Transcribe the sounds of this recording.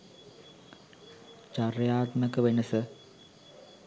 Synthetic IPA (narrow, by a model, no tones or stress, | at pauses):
t͡ʃarjaːt̪mɐkɐʋenɐsɨ